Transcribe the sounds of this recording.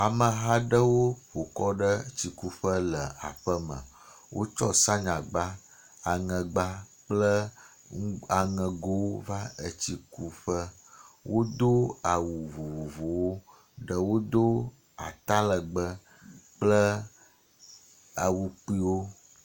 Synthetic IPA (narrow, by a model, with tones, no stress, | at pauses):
a˨mə˨ɦa˦ɖə˦wo˦ɸo˨kɔ˦ɖə˦t͡ɕi˨ku˦ɸə˦lə˨a̰˨ɸə˦mə̰̃˨ | wʔo̰˦t͡ʃɔ˦sa˦ɲã˨ɡ͡ba˦ | a˨ŋə̃˨ɡ͡ba˦ | k͡plə˦ | ŋ˦a˨ŋə̃˨ɡo˦wo˦va˦ə˨t͡ɕi˨ku˦ɸə˦ | wʔo˦d̪o˦a˨wu˨vu˨vo˨vo˨wo˦ | ɖə˨wo˦d̪o˦ | a̰˨t̪a˦lə˨ɡ͡bə˦ | k͡plə˦ | a˨wu˨k͡pi˦wo˦